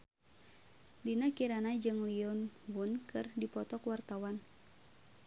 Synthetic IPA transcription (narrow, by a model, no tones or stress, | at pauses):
dinakiɾanad͡ʒɨŋliɔnbunkʰɨrdipɔt̪ɔkwart̪awan